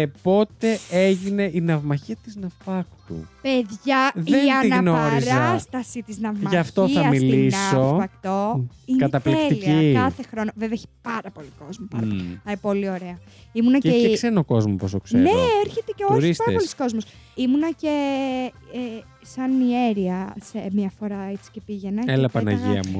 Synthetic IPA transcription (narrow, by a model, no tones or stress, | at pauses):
epo̞t̪e̞eʝine̞ʔinɐvmɐçiɐt̪iznɐpɐkt̪ṵpeðʝɐðienɐinɐɣnoɾɾizɾest̪ɐsit̪iznɐvmɐɐft̪oiɐɐmmiliso̞spɐkt̪o̞ikɐt̪ɐpleeiliɐiɐθe̞xɾo̞noveveçi̥pɐɾɐpo̞liko̞zmopɐɐpolɐpo̞lio̞ɾe̞ɐ | imunɐeeseɾnoko̞zmopost̪okseneeɾçet̪eceolɾispɐɾɐpolisko̞zmos | imunɐce | sɐnie̞ɾiɐsemɲɐfo̞ɾɐet͡si̥ce̞piʝenɐelɐpɐnɐ̰ʝiɐ̰mu